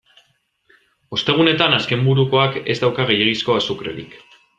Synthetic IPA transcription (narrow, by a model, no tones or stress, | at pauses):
o̞st̪e̞ɣ̞une̞t̪anaske̞mbuɾuko̞ake̞̰zd̪awkaɣejeɣisko̞asukɾe̞̰ɾḭk